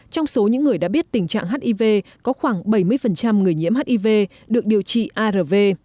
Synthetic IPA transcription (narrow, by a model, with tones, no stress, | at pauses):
t͡ɕɔ˧wŋ͡mso˨˦ɲɨ̰˧˥ŋːɨ˨˩əjɗa̰ː˧˥ɓi˦˥ət̚t̪ï˨˩ŋ̟t͡ɕa̰ː˧˨ŋɦaː˦˥t̚ʔi˧ve˧kɔ˨˦xwaː˧˩ŋɓə˧˩jmɨ˧əjfə˨˩nt͡ɕa˧mŋɨ˨˩əjɲi˧˥ma˦˥t̚ʔi˧ve˧ | ɗɨ˨˩ək̚ɗi˨˩əwt͡ɕḭ˧˨ʔaː˧ɾəː˨˩ve˧